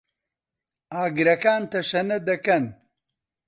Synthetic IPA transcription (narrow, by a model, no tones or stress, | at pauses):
aːɡɾɐkaːnt̪ɐʃɐnɐd̪ɐkɐn